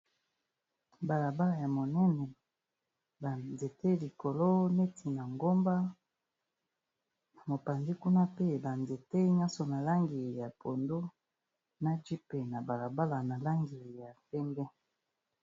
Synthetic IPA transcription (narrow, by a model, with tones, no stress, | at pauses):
ba˨la˨ba˦la˨ja˨mo˨nɛ˦nɛ˨ | ba˨nze˨te˦li˨ko˨lo˦ne˦tʰi˨na˨ŋɡo˦mba˦˨ | mo˨pa˨ndi˦ku˦na˦pe˦ba˨nze˨te˦ɲa˦so˨na˨la˦ŋɡi˨ja˨po˨ndo˦ | na˦d͡ʒi˦pe˨na˨ba˨la˨ba˦la˨na˨la˦ŋɡi˨ja˨tɛ˦mbɛ˦